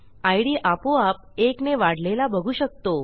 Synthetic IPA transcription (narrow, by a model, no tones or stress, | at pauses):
ajɽiːʔapoap̚ekneʋaɽ̤lelabʱəɡʱuːɕək̚t̪o